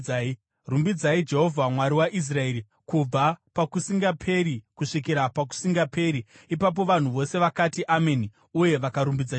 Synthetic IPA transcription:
rumbid͡zaid͡ʒe̞ɦo̞vʱamwaɾiwaʔis̬rae̞ːɾi | kub͡vapakusiŋɡapʰe̞ɾikuʂik̬iɾapak̬u̥siŋɡape̞ɾi | ipap̬o̞ʋan̤uʋo̞se̞ʋakatiʔameni | uje̞ʋakaɾumbid͡za

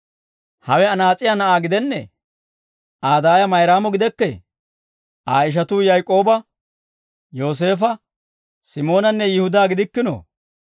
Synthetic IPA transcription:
hɐwɛɐnaːt͡sʼɪjaːnɐʔaːɡɪd̪ɛnːɛ̰ | ʔaːd̪aːjɐmɐjɾaːmɔɡɪd̪ɛkːɛ | ʔaːɪʃ̬ɐt̪uːjɐjkʼo̞ːbɐ | jo̞ːs̬e̞ːfɐ | sɪmo̞ːnɐnːɛjɪhʊd̪aːɡɪd̪ɪkːɪno̰ː

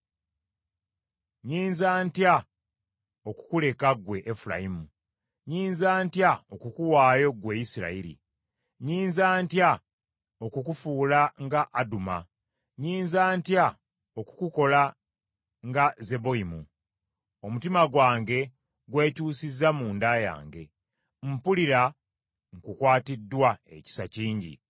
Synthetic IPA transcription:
ɲiːnzaːntja | oku̥kule̞kaɡwe̞ʔːfula̰imu | ɲiːnzaːntjao̞kukuwaːjo̞ɡwe̞ːjisiɾa̰iɾḭ | ɲiːnzaːntja | okukufuːlaŋɡaʔːduma̰ | ɲiːnzaːntja | o̞ku̥kuko̞la | ŋɡaze̞bo̞imṵ | o̞mutimaɡwaːŋɡe̞ | ɡwe̞ːcuːsizamuːndaja̰ːŋɡe̞̰ | m̩puliɾa | ŋkukwaːtidːwae̞̰ci̥saciːɲɟḭ

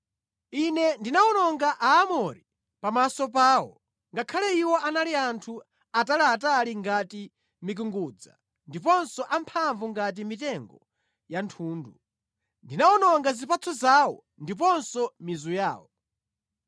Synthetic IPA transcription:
inɛndinaɔnɔŋɡaʔaːmɔɾi | pamasɔp̬aːwɔ̰ | ŋɡakʰalɛiwɔʔanaliantʰu | atalaːtaliŋɡati | mik̬uŋɡuːd͡za̰ | ndipɔnsɔʔampʰaɱvuŋɡat̬imitɛŋɡɔ | jantʰuːndu | ndinaɔnɔŋɡazipat͡sʰɔzaːwɔ | ndip̬ɔnsɔmizuja̰ːwɔ

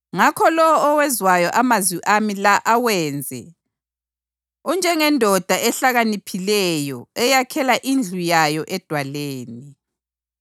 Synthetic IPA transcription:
ŋakʰɔlɔwɔːwɛzwajɔʔamazwiʔamilaʔawɛːnd͡zʱɛ̰ | und͡ʒʱɛŋɛndʱɔd̥ʱaʔɛɬaɣanipʰilɛjɔɛjakʰɛlaʔind͡ɮʱujajɔʔɛd̥ʱwaleːni

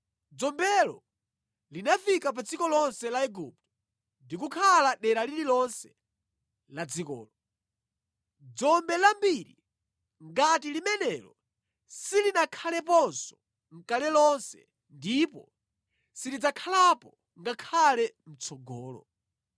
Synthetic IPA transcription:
d͡zɔmbɛlɔ̰ | linafikap̬ad͡zikɔlɔnsɛlaɛɡup̚tɔ | ndikukʰalaɗɛɾaliɾilɔnsɛ | lad͡zikɔ̰ːlɔ | d͡zɔmbɛlambiɾi | ŋɡatilimɛnɛlɔ | silinakʰalɛp̬ɔnsɔ | ŋ̩kalɛlɔnsɛ̰ | ndipɔ̰ | silid͡zakʰalapɔ | ŋɡakʰalɛm̩t͡sʰɔɡɔːlɔ̰

